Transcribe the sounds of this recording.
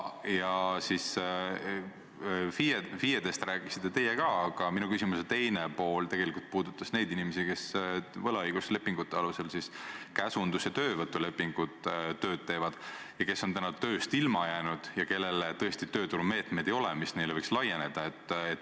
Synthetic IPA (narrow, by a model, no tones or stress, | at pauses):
jɑsis | fiefijed̪̥e̞st̪ɾæːkisit̪ːet̪e̞jːekɑɑɡ̥ɑminukysimuset̪e̞jnepo̞ːlt̪e̞ɡ̥e̞likult̪̚puːd̪ut̪ˑːɑsne̞jd̪inimesike̞svɤlɑɯjɡ̥usle̞pːˑiŋɡut̪ːˑeɑluse̞lsiskæsund̪uset̪ø̞ːvɤt̪ːˑule̞pːˑiŋɡ̥ut̪t̪ːø̞ːd̪̥̚t̪e̞ːvɑd̪̥ | jɑke̞sːo̞nt̪ænɑt̪ø̞ːst̪ilmɑjæːnud̪̥jɑke̞lːe̞let̪ɤ̞est̪it̪øːt̪uɾume̞ːt̪me̞jd̪̥e̞jo̞lemisne̞jlvɤjkslɑje̞ne̞d̪̥ɑe̞t̪ːˑet̪ː